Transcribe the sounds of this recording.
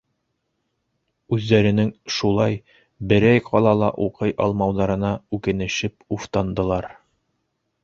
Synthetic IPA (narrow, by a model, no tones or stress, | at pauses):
ʉðːæɾɘ̆nɘŋʃulˠɑj | bɘ̆ɾæjqʰɑlˠɑlˠɑ̰ʔuqɤjʔɑ̰lˠmɑwðɑɾɤ̆nɑʉkɘ̆nɘ̆ʃɘpuft̪ɑnd̪ɤ̆lˠɑɾ